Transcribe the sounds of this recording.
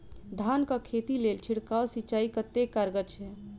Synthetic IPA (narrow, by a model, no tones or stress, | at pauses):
d̪ʱaːnkakʰet̪ileːlt͡ʃʰɪɽkaosit͡ʃaːikət̪ːekəɾɡət͡ʃʰɛ